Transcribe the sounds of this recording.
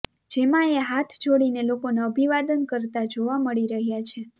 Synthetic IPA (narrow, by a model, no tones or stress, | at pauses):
d͡ʒemãeɦat̪ʰt͡ʃʰoɽinelokonaəbʱiʋad̪ənkəɾt̪ad͡ʒoʋaməɭiɾəɦjat͡ʃʰe